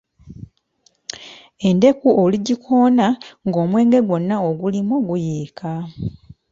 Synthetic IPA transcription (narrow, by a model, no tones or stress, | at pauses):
e̞nde̞kuʔoliɟikʰoːnaŋɡo̞ːmwe̞ːŋɡe̞ɡwo̞nːaoɡulimoɡujiːkʰa